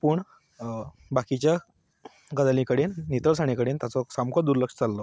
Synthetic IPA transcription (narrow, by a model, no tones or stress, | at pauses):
pəɳ | bakit͡ɕja | ɡəd̪alĩkəɽenːit̪əɭsaɽ̃ĩkəɽeːnt̪jat͡sɔsamkɔd̪uɾləkʂə̥t͡salːɔ